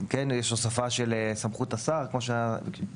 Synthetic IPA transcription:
kenjɛʃosafaʃelesamχut̪asaʁkmo̞ʃ̬e

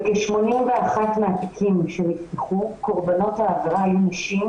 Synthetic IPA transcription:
keʃmo̞nimveaχatmeatikʰimʃenitiχuko̞ʁbano̞thaːvaʁaːjunaʃim

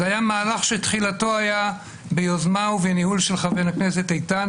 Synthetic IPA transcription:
ajamaːlaχʃet̪χilato̞aja | bejozmauvenihulʃelχavenakneset̪ejt̪an

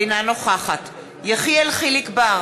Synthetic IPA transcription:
inanoχaχat | jaχielχilikba

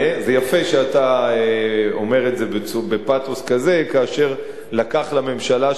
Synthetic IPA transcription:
zejafeʃeataeome̞ʁezebeube̞patoskaze̞kaːʃe̞ʁ | lakaχlame̞mʃala

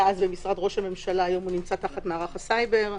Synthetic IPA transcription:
azbemisʁadʁo̞ʃhame̞mʃalaːjo̞munimt͡sataχatmeaʁaχasajbe̞ʁ

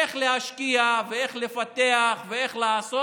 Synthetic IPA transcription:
eχleɦaʃkiaveeχlefat̪eaχveeχlaːso

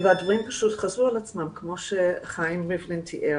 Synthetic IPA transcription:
vadvʁimpḁʃutχazualat͡smamkʰmoʃeχajimʁivlintʰiʔe

